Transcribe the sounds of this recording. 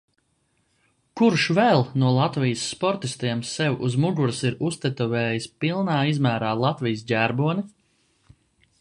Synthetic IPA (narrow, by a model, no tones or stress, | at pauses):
kuɾʃvɛlˠnuɔlˠat̪vijəsːpɔɾt̪ist̪iɛmsɛwuzmuɡuɾsiɾust̪ɛt̪ɔvɛːjispilˠnaːizmæːɾaːlˠat̪vijsɟʲæɾbuɔni